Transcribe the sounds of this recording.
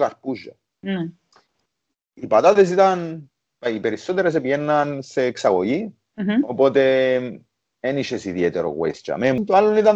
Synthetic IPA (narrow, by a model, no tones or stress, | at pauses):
kaɾpuʒa̰ | ipat̪aðes̬it̪an | paipeɾisot̪eɾas̬epjenːanseːksaɣoʝi | opot̪e | eniʃesiðjet̪eɾo̰ɣwḛst͡ʃa̰memunt̪oalːonit̪an